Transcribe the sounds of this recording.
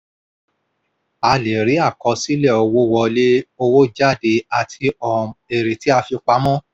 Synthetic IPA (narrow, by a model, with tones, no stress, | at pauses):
a˧le˨ɾi˨˦a˦˨kɔ˧˦si˦lɛ˦˨ɔ˨˧wo˦wɔ˧le˦o˧wo˦d͡ʒa˦˨de˧˦a˨tʰi˧ɔ˨e˨ɾe˨ti˨˦a˧fi˧k͡pa˧˦mɔ̃˦